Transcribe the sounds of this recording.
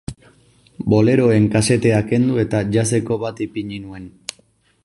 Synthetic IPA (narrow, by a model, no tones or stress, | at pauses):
bo̞le̞ɾo̞e̞ŋkase̞t̪e̞ake̞nd̪ue̞t̪aʝase̞ko̞βat̪ipiɲinue̞n